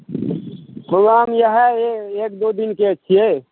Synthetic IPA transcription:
ɦoɡamjəɦɛekd̪od̪inkeət͡ʃʰije

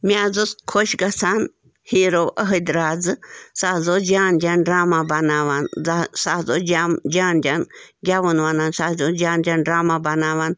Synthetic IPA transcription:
miaːzuskʰoʃɡɐsaːn | hiːɾowʔəɦəd̪ɾaːd͡zɨsaɦzod͡ʒaːnd͡ʒʲaːnɖɾaːmabɐnaːʋansaɦzod͡ʒmd͡ʒaːnd͡ʒʲanɡʲaʋunʋanansazod͡ʒʲaːnd͡ʒʲanɖɾaːmabɐnaːʋan

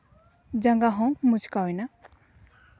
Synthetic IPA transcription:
d͡ʒaŋɡaɦɔ̃mut͡ʃkaɔjna

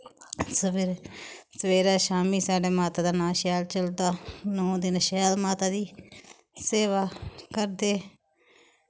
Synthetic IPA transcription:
səpʰɪɾsəʋeːɾaːʃaːmiːsaːɖeːmaːt̪aːd̪aːnaːlʃɛːlt͡ʃəld̪aːnõːd̪ɪnʃɛːlmaːt̪aːd̪iː | seːʋaːkəɾd̪eː

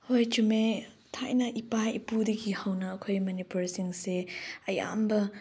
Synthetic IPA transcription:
hojt͡ʃume | tʰajnɐʔipajḭpudiɡihawnɐːkʰojmɐnipuɾsiŋseɐja̰mbɐ

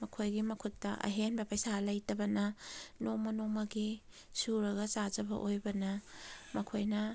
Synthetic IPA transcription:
mɐkʰojɡimɐkʰutːɐʔɐ̰ɦenbɐpɐjsalɐjtɐbɐnɐnomɐnomɐɡi | suɾɐɡɐt͡ʃad͡ʒɐbɐ̰ʔojbɐnɐmɐkʰojnɐ

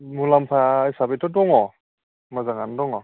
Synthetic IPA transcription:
mulampʰajsabetʰɔdɔŋɔ | mazaŋandɔŋɔ

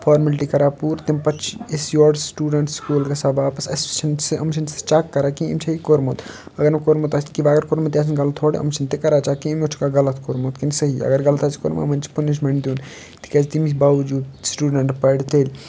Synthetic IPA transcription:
pʰaːɾmɐlʈikɐɾapuɾt̪impɐt͡ʃʰiesjoːɖsʈuːɖɐɳʈskuːlkesɐbaːpɐsɐsɐnseʔɐmsʰɐnse̥t͡ʃaːkːɐɾaːkiḭmt͡ʃʰɐɦikoɾmot̪ | ɐɡəɾmekoɾmot̪ast̪kiʋaːɡɐɾkoɾmɐt̪ʲaːs̬ʰinɡɐlət̪ʰoɽḛʔɐ̰msɐnt̪ekɐɾaːt͡ʃaːkiimot͡ʃʰukaɡɐlət̪koɾmot̪kinsəɦiɐ̰ɡəɾɡɐlət̪ʰasʰi̥ko̰ɾma̰mɐnt͡ʃi̥puniʃ̬meɳd̪juːn | t̪ʰi̥kɐt͡ʃʰt̪imisbaʋd͡ʒuːd̪sʈuːɖɐɳʈpɐɽt̪eːlʲ

